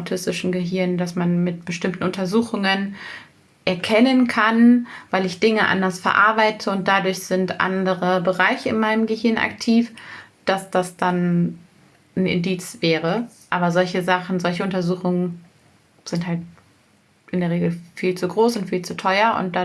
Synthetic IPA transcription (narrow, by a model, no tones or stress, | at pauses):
ʊtʰɪstɪʃn̩ɡəɦɪɐndasmanmɪtb̥əʃtɪmtn̩ʊntɐzuːxʊŋən | ʔɛɐkʰɛnənkʰanvaɪlɪçd̥ɪŋəʔa̰ndɐsfɛɐʔaɐbaɪtʰəʊnt̚d̥adʊɐçz̥ɪntʔa̰ndəʁəbəʁaɪçəɪ̰nmaɪnəmɡəhɪɐnʔa̰ktʰiːf | d̥asd̥asd̥an | n̩ʔɪ̰ndiːt͡sv̥ɛːʁəʔaːbɐzɔlçəzaχn̩zɔlçəʊntɐzuːxʊŋən | z̥ɪnthalt̚ | ʔɪndeɐʁ̞eːɡl̩fiːlt͡suɡʁoːsʊntfiːlt͡sutʰɔʏɐʔʊ̰nt̚d̥a